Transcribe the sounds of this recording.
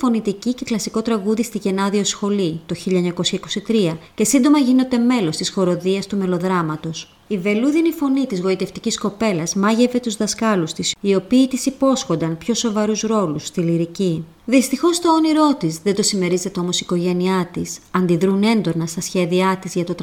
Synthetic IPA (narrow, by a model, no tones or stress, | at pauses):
fo̞nit̪icice̞klɐsiko̞t̪ɾɐɣuðist̪iʝe̞nɐðio̞sxo̞lit̪o̞çiʎɐɲɐko̞sçɐiko̞sit̪ɾiɐce̞sind̪o̞mɐʝino̞t̪e̞me̞lo̞st̪isxo̞ɾo̞ðiɐst̪ume̞lo̞ðɾɐmɐt̪o̞s | ive̞luðinifo̞nit̪izɣo̞it̪e̞ft̪icisko̞pe̞lɐzmɐʝe̞ve̞t̪uzðɐskɐlust̪isio̞piːt̪isipo̞sxo̞nd̪ɐnpço̞so̞vɐɾuzɾo̞lust̪iliɾici | ðist̪ixo̞st̪o̞ːniɾo̞t̪izðe̞nd̪o̞sime̞ɾize̞t̪eo̞mo̞siko̞ʝe̞niɐt̪isɐnd̪iðɾune̞nd̪o̞nɐst̪ɐsçe̞ðiɐt̪izʝɐt̪o̞t̪